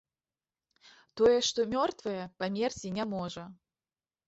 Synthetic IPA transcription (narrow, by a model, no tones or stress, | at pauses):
t̪ɔjɛʂt̪ɔmʲɔrt̪vɨjɛpamʲert͡sʲinʲamɔʐɐ